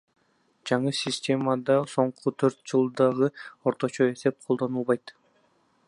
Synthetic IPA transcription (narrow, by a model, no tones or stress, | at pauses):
d͡ʒɑɴɯsʲɪsʲtʲe̞mɑd̪ɑso̞ɴqʰut̪ʰøɾt̪̚d͡ʒɯlˠd̪ɑʁɯo̞ɾt̪o̞t͡ʃo̞e̞se̞p̚qʰolˠd̪o̞nulˠβɑjt̪